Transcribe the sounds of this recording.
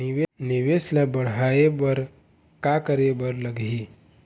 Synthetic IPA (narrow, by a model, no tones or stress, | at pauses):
ɪʋenɪʋeslabəɽ̤aːebəɾ | kakəɾebəɾləɡi